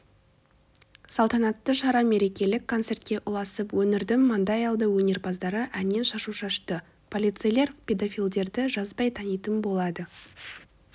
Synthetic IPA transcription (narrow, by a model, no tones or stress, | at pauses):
sɑlˠt̪ɑnɑt̪ːəʃɑɾɑme̞ɾe̞kʲe̞lɪkʰːo̞nt̪se̞rt̪̚kʲe̞ʔʊlˠɑsəpwɵnɪɾd̪ɪmːɑnd̪ɑjɑlˠd̪əwɵne̞ɾbɑzd̪ɑɾəʔænne̞nʃɑʃuʃɑʃt̪ə | pʰo̞lijt̪sɨjle̞ɾpʰʲe̞d̪ofijlʲˠd̪e̞ɾd̪ɪʒɑzbɑjt̪ʰɑnijt̪ənbo̞lˠɑd̪ə